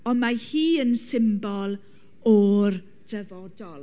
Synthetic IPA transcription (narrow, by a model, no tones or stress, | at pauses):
ɔnmahiːənsɪmbɔlˠ | ɔr | d̥əvɔdɔlˠ